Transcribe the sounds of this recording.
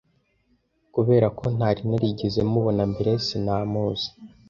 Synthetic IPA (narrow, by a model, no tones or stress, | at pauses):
kuβe̞ːɾako̞n̥aɾinaɾiɟize̞muβo̞nambiɾesinaːmuːzi̥